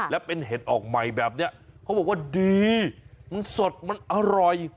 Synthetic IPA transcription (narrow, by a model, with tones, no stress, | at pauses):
lɛ˦˥wpe˧nɦeː˨˩˦t̪̚ʔɔː˨˩k̚ma˨˩jbɛː˨˩p̚ni˦˥ɐkʰa˦˥bɔː˨˩k̚waː˥˩diː˧ma˧nso˨˩t̪̚ma˧nʔa˧ɾɔ˨˩j